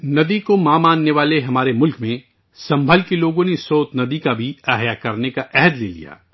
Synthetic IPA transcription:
nɐd̪ikomãːmaːnːeʋaːleɦɐmaːɾemʊlkmẽ | sɐ̃mbʱəlkiloːɡõnesoːt̪nɐd̪ikabʱiɛɦjakɐɾnekaʔɛɦɛd̪lḛːlḭja̰ː

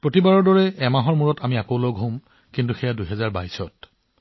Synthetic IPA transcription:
pɹotibaɹɔɹdɔɹɛɛmaɦɔɹmuɹɔtamiakowloɡʱɦõm | kintuxɛjadujɦɛzaɹba̰jsɔt

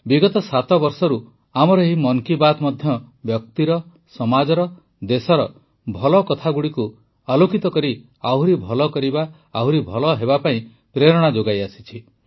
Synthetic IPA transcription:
biɡɔt̪ɔsat̪ɔbɔɾsɔɾu | amɔɾɔeɦimɔŋkibat̪mɔd̪ʱjɔbjɔk̚t̪iɾɔ | sɔmad͡ʒɔɾɔ | d̪esɔɾɔ | bʱɔlɔkɔt̪ʰaɡuɽiku | alokit̪ɔkɔɾi | aɦuɾibʱɔlɔkɔɾibaː | ɦuɾibʱɔlɔɦebapaĩ | pɾeɾɔɽ̃ad͡ʒoɡajasit͡ʃʰi

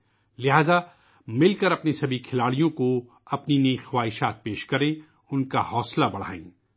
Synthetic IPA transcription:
lɪɦaːza | mɪlkɐɾɐpnisɐbʱikʰɪlaːɽijõko | ɐpninɐĩxɐwaːɦɪʃaːt̪̚peːʃkɐɾẽ | ʊnkahɔːslabɐɽ̤a̰ːḭ̃ː

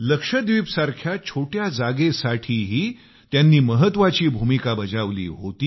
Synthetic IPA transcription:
ləkʂəd̪ʋiːpsaɾkʰjat͡ɕʰoʈʰjad͡zaɡesaʈʰiːɦiː | t̪janːiːməɦət̪ʋat͡ɕiːbʱumikabəd͡zaʋlḭːɦot̪iː

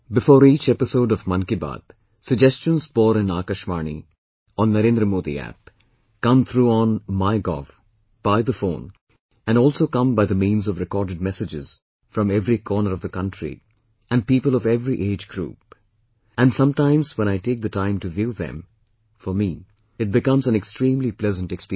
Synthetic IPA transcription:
bɪfɔːɾiːt͡ʃɛpɪsoʊɖɔvmʌ̃nkiba̰ːd̪̥̚ | səɡ̚d͡ʒɛst͡ʃə̃nzbɔːɾɪ̃naːkəʃmaːnḭ | ɔ̃nːəɾẽnd̪ɾəmoːd̪ḭæ̰p̚ | kʌ̃mt̪ʰɾuɔ̃nmaɪɡɔ̰f | b̥aɪd̪əfõːn | ɛ̃nɔːlˠsoːkʌ̃mbaɪðəmĩːnzɔvɾɪkɔːɾɖɨɖ̚mɛsɪd͡ʒɪz̥ | fɾʌ̃mɛvɾikʰɔːnəɾʌvðəkʌ̃ntɹḭ | ʔæ̃n̚piːpəlˠɔvɛvɾiʔeːd͡ʒɡɾṵːp | æ̃nsʌ̃mʈãɪ̃mzwɛ̃ɾ̃aɪʈeːk̚ðɨtãɪ̃mʈuvjuðɛ̰̃m | fɔɾmi | ɨʈ̚bɨkʌ̃mzæ̃nɛkstɾĩːmliplɛzə̃ntɛkspi

